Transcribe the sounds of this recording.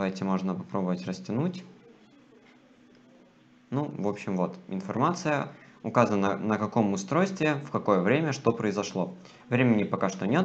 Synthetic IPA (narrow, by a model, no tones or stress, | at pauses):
vajtʲɪmo̞ʐnəpɐpɾo̞bəvətʲrəsʲtʲɪnutʲ | nuvo̞pɕːɪmvo̞t̪ɪ̰nfɐrmat̪sɨjə̰ʊkazənnənəkɐko̞mʊst̪ɾo̞jst̪vʲɪɪfkɐko̞jəvɾʲemʲəʂt̪o̞pɾəɪzɐʂlˠo̞ | vɾʲemʲɪnʲɪpɐkaʂt̪onʲet̪